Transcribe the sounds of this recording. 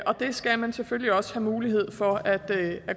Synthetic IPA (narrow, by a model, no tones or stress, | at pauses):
ʔɒ̽d̥e̝sɡ̥æmænsefølliɒ̽sə̥hæmuːliɦe̝ð̞̰ˠfɒ̽æd̥æ